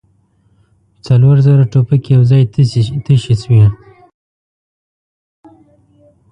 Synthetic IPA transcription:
pət͡saloɾzəɾaʈopakejawzɑjt̪əʃiswi

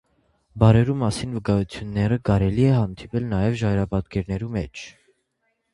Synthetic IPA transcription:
bɑɾɛɾumɑsinvəkɑjut͡sʰjunːɛɾəkɑɾɛliɛhɑnd̪ipɛlnɑjɛvʒɑɾɑpɑt̪kɛɾnɛɾumɛt͡ʃʰ

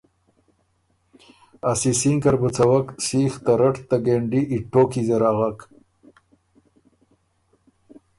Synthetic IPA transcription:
asisiŋkɐɾbət͡sɐwaksiːxt̪aɾɐʈt̪aɡeːɳɖiːʈːoːkizeɾaɣak

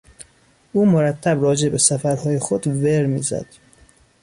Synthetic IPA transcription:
ʔuːmoɾæt̪ʰːæbɾɒːd͡ʒe̞be̞sæfæɾhɒːjexod̪veɾmḭːzæ̰d̪̥

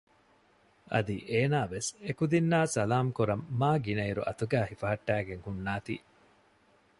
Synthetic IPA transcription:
ʔɐ̰d̪iʔeːnaːʋesekud̪inːaːsɐlaːmkuɾɐmːaːɡinɐiɾṵʔɐt̪uɡæːhifɐɦɐʈːæːɡeŋhunːaːt̪ḭː

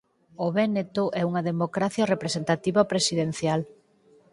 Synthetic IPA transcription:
oβɛnet̪oʔɛuŋɐðemokɾaθjɐrepɾesent̪at̪iβɐpɾesiðen̟θjal

